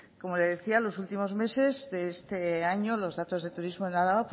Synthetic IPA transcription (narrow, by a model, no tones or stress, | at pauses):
ko̞mo̞le̞ð̞e̞θialo̞sult̪imo̞zme̞se̞zðeest̪eaɲo̞lo̞zðat̪o̞zðe̞t̪uɾizmo̞enaɾaβap